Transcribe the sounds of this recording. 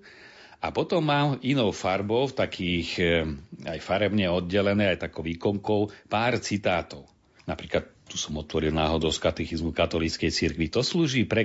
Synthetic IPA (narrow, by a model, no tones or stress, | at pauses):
apɔt̪ɔmːaːminɔʊfaɾbɔʊft̪akʰiːx | ajfaɾɛbɲɛɔd̪ɟɛlɛnɛːajt̪akɔʋiːkɔŋkɔʊpaːɾt͡sit̪aːt̪ɔʊ | napɾiːklat̪̚t̪ːu̥sɔmɔt̪ʋɔɾilnaːɦɔd̪ɔʊskat̪ɛxizmukat̪ɔlit͡skɛjt͡siɾkʋit̪ɔsluːʒiːpɾɛ